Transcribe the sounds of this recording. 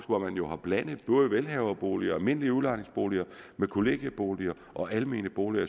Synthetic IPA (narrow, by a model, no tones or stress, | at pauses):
sʋɑmænjo̝hɑ̈b̥læn̰ð̩ˠb̥ɔ̽ːðˠəʋelɦɛʊɐb̥o̝̰ːliɐælme̝n̰əliəulɑ̈ɪne̝ŋsb̥o̝ːliɐmekʰo̝le̝ɡ̥jəb̥o̝ːliɐ | ʔɒ̽ʔælme̝̰ːnəb̥o̝ːliɐ